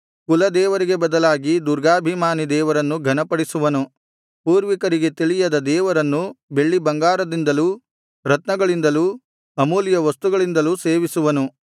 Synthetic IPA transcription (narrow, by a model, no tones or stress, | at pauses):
kulɐd̪ɛːʋɐɾiɡe̞bɐd̪ɐlaːɡid̪uɾɡaːbʱimaːnid̪ɛːʋɐɾɐnːuɡʱɐnɐpɐɽisuʋɐnu | puːɾʋikɐɾiɡe̞t̪iɭijɐd̪ɐd̪ɛːʋɐɾɐnːube̞ɭːibɐŋɡaːɾɐd̪ind̪ɐluː | ɾɐt̪nɐɡɐɭind̪ɐluː | ɐmuːlijɐʋɐst̪uɡɐɭind̪ɐluːseːʋisuʋɐnu